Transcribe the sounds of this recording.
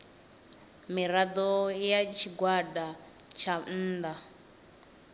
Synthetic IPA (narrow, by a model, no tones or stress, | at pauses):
miɾad̪ɔjat͡ʃʰiɡwada | t͡ʃʰan̩ːd̪a